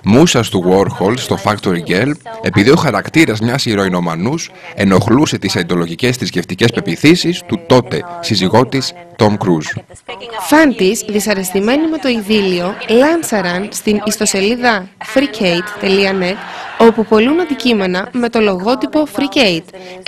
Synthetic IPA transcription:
musɐst̪uɣo̞ɾxolst̪o̞fɐkt̪oɾiɟele̞piðio̞xɐɾɐkt̪iɾɐzmɲɐsiɾo̞ino̞mɐnuse̞no̞xluse̞t̪isɐid̪o̞lo̞ʝice̞st̪isce̞ft̪ice̞spe̞piθisist̪ut̪o̞t̪e̞siziɣo̞t̪is | t̪o̞mkɾuz | fɐnt̪isðisɐɾe̞st̪ime̞nime̞t̪o̞iðilio̞lɐmsɐɾɐnst̪inist̪o̞se̞liðɐfɾicejt̪ːeliɐne̞t̪o̞pupo̞lunɐnd̪icime̞nɐme̞t̪o̞lo̞ɣo̞t̪ipo̞fɾicejt̪

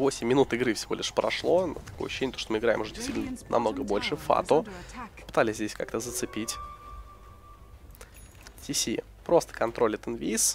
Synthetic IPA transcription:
vo̞sʲɪmʲːɪnut̪ɪɡɾɨfsʲɪvʲo̞lʲɪʂpɾɐ̰ʂlˠon̰t̪ɐ̥kojɐɕʊ̥ːɕenʲːt̪oʂt̪omɨɪɡɾaɪ̰mʊʐɛdʲɪsʲt̪vitʲɪnənɐ̰mno̞ɡəbo̞lʲʂɨfa̰t̪opɨ̥t̪alʲɪsʲzdʲesʲka̰kt̪əzət̪sɨpʲitʲ | tʲisʲi | pɾo̞st̪ə̥kɐnt̪ɾo̞lʲət̪ənvʲiis

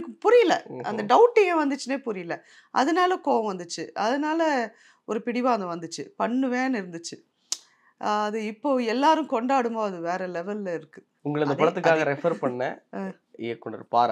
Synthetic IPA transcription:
kːɯpʊɾɪjɪlɐ̰ʔɐ̰nd̪ɐɖɐʋʊʈːɯeːʋɐnd̪ɯt͡ʃːɯneːpʊɾɪjɪlɐ | ʔɐ̰ðɐnaːlɐkoːʋɐ̃ʋɐnd̪ɯt͡ʃːɯɐðɐnaːlɐ | ɔɾɯpɪɽɪʋãːɐnd̪ɐʋɐnd̪ɯt͡ʃːɯpɐɳːɯʋẽːnɪɾɯnd̪ɯt͡ʃːɯ | ɐðɯɪpːoːɛlːaːɾɯ̃kɔɳɖaːɽɯmboːɐðɯʋeːɾɛlɛʋɛllɐɪɾɯkːɯ | ʊŋɡɐɭɪnd̪ɐppɐɭɐt̪ːɯkːaːɣɐɾɛfɐɾpɐɳːɐ̰ | ɪkːʊɳɐ̰ɾɯpaːɾɐ

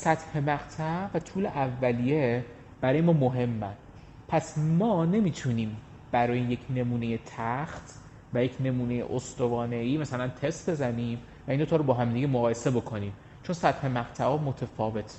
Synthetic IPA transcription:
sæt̪he̞mæɣt̪ʰævæt̪ʰuːleʔævːælije | b̥æɾɒːjemɒːmoɦe̞mːæ̰n | pʰæsmɒːne̞miːt̪ʰuniːm | b̥æɾɒːjeje̞cʰne̞muːne̞jet̪ʰæxt̪ʰ | væjecʰne̞muːne̞jḛʔost̪ovɒːne̞iːmæsælænt̪ʰe̞st̪̚be̞zæniːm | væind̪ot̪ʰɒːɾobɒːɦæmd̪iːɡemoɣɒːjese̞bo̞kʰo̞niːm | t͡ʃʰo̞nsæt̪he̞mæɣt̪ʰæʔɒːmot̪ʰefɒːve̞t̪ʰ

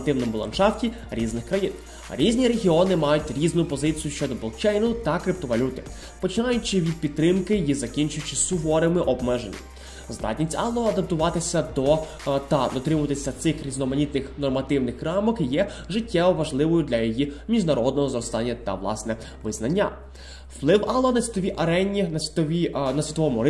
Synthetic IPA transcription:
t̪ɪwnɔmʊlˠɐ̰nʃɑwtʲi | ɾʲiznɪxkɾɐjin | ɾʲizʲnʲiɾeɦʲiɔnɪmɑjʊtʲɾʲiznʊpɔzɪt͡sʲijʊʃt͡ʃɔd̪ɔbɔlˠkt͡ʃɛjnʊt̪ɐkɾɪp̚t̪ɔʋɐlʲut̪ɪ̥ | pɔt͡ʃɪnɑjʊt͡ʃɪʋʲid̪̚pʲid̪̚t̪ːɾɪmkɪjizɐkʲinʲt͡ʃʊjʊt͡ʃɪsʊɦɔɾemɪʔɔbmɛʒenʲːɐ̰ | zd̪ɑ̰tʲnʲisʲɑlˠɔɐd̪ɐp̚t̪ʊʋɑt̪ɪsʲɐd̪ɔ | t̪ɐd̪ɔt̪ɾɪmʊt̪ɪsʲɐt̪sɪxɾʲiznɔmɐnʲit̪nɪxnɔrmɐt̪ɪwnɪxːɾɑmɔkjɛ | ʒɪtʲːɛʋɔʋɐʒlˠɪʋɔjʊd̪lʲɐjɔjimʲiʒnɐɾɔd̪nɔɦɔzɾɔst̪ɑnʲːɐt̪ɐ̰ʋlˠɑ̰snɛ | ʋɪznɐnʲːɐ̰ | wplˠɪwɐlˠɔɔnɐsʲʋʲi̥t̪ɔʋʲiʔɐɾɛnʲːinɐsʲʋʲit̪ɔʋʲinɐsʲʋʲit̪ɔʋɔmʊɾ

